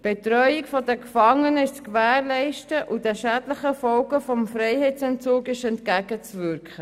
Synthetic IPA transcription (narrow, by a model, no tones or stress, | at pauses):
b̥etɾœʏɪkfɔdəkfɑŋːənəɪʃt͡skvæːɾlɛɪʃtəʔudɛʃædləχəfɔlɡəfɔmfɾɛɪhɛɪt͡sɛnt͡suːkɪʃɛntkæɡət͡svʏɾkχə